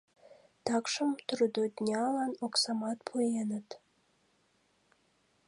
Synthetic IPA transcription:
t̪ɑkʃəmt̪ɾud̪od̪nʲɑlɑnoksɑmɑt̪pʰujenət̪

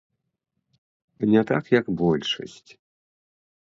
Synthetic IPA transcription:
nʲɛt̪akjɐkbɔlʲʂɐ̰sʲt͡sʲ

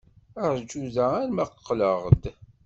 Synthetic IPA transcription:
əɾˤd͡ʒːuðææɾmæqəqːləʁd̪

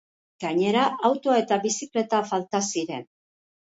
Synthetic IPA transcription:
ɡ̥aɲe̞ɾaʔawt̪oae̞t̪aβisikle̞t̪afalt̪asiɾe̞n

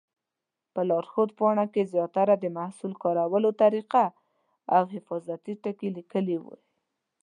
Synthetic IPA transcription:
pəlɑɾxod̪̚pɑɳakezjɑt̪aɾad̪əmahsulkɑɾawəlot̪aɾiqa | awɦɪfɑzat̪iʈəkelikəliwṵ

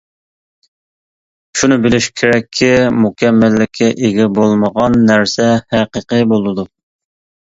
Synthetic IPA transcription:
ʃunɨbɪlɪʃkʲʰeɾɛkʲʰːimukʲʰɛmːɪlːɪkʲʰːɛʔeɡʲɛbolˠməʁɑnːæɾsɛhæqəqɨbolˠɨd̪u

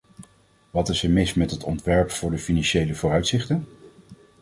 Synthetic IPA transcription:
ʋɑtɪsəmɪsmɛtɦətɔntʋɛɹpfʊːɹdəfinɑnʃejləvʊːrœɥtsɪχtən

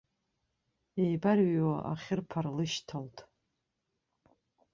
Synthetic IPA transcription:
ejbarɥwaʔa̰χʲɪrpʰarlɨʃtʰaltʼ

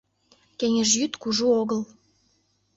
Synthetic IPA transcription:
keŋʲəʒjyt̪kuʒuoɣəl

